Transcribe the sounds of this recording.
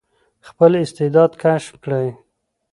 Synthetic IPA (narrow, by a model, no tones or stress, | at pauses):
xpəlɪst̪ɪd̪ɑd̪kaʃmkɽaj